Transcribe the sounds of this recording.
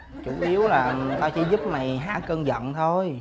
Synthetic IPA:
t͡ɕu˧˩ʔi˨˦əwlaː˨˩t̪aː˧wt͡ɕḭ˧˥zu˦˥p̚ma˨˩jɦa̰ː˧˥kəː˧nzə̰˧˨nt̪ʰo˧j

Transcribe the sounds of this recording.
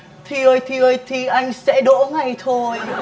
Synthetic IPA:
t̪ʰi˨˩ʔəː˧˩jt̪ʰi˨˩əː˧˩jt̪ʰi˨˩ʔa˧jŋ̟sɛ̰˧˥ɗo̰˧˥ŋa˨˩jt̪ʰo˧j

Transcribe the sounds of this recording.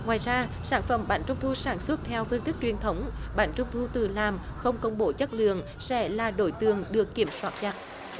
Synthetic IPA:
ŋwaː˨˩jzaː˧saː˧˩nfə˧˩mɓaː˧˩nt͡ɕʊ˧ŋ͡mt̪ʰu˧saː˧˩nswə˦˥t̚t̪ʰɛ˧wfɨ˧nt̪ɨ˦˥k̚t͡ɕwi˨˩ənt̪ʰə˨˦wŋ͡mɓaː˨˩nt͡ɕʊ˧ŋ͡mt̪ʰu˧t̪ɨ˨˩laː˨˩mxə˧wŋ͡mkə˧wŋ͡mɓo˧˨˦t͡ɕə˦˥t̚lɨ̰˧˨əŋ | sɛ̰˧˥laː˨˩ɗo˧˩jt̪ɨ˨˩əŋɗɨ˨˩əkːi˧˩əmswaː˦˥t̚t͡ɕa˨˩t̚

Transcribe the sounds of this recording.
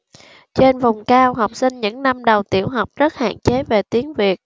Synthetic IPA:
t͡ɕe˧nva˨˩wŋ͡mkaː˧wɦa˨˩wk͡p̚sï˧ŋɲɨ̰˧˥ŋna˧mɗə˨˩wt̪ḭ˧˩əwɦa˨˩wk͡p̚zə˦˥t̚ha̰ː˧˨nt͡ɕe˨˦ve˨˩t̪i˨˦əŋvi˨˩ət̚

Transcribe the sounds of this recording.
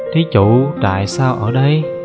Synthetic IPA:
t̪ʰi˨˦t͡ɕṵ˧˨t̪a̰ː˧˨jsaː˧wʔəː˧˩ɗə˧j

